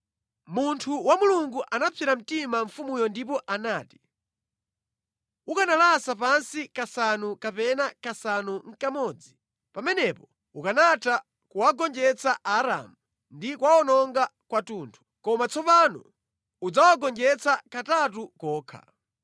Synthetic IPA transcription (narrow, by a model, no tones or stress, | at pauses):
muntʰuwamuluŋɡuʔanapʰɛɾam̩timaɱfumujɔndip̬ɔʔanaːti̥ | ukanalasapansikasanukapɛnakasanuŋ̩kamɔːd͡zi | pamɛnɛpɔ | ukanata | kuwaɡɔnd͡ʒɛt͡saʔaɾa̰mu | ndikwaɔnɔŋɡakwatuːntʰu̥kɔmat͡sɔpanɔ̰ | ud͡zawaɡɔnd͡ʒɛt͡sakatat̬ukɔːkʰa̰